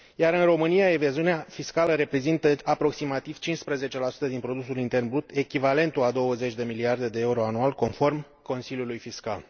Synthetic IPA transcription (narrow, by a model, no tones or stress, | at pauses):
jaɾɨnro̞mɨnijaevaziuneafiskaləɾe̞pɾe̞zint̪əapɾo̞ksimat̪iv̥t͡ʃinspɾeze̞t͡ʃe̞lasu̥t̪əd̪inpɾo̞d̪usulint̪e̞rnbɾut̪e̞kʲivale̞nt̪uad̪o̞wəze̞t͡ʃʲd̪e̞miliard̪e̞d̪e̞euɾo̞anualko̞nfo̞rm | ko̞nsilʲjulujfiska̰l